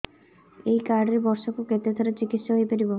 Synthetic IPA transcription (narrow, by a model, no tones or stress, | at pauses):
ejkaɾɖɾiɾbɔɾʃokuket̪et̪ʰoɾet͡ʃikit̪ʃaɦojpeɾibo